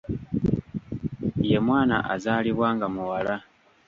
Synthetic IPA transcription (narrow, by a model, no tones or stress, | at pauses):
jemwaːna̰ʔazaːliβwaːŋɡamuwala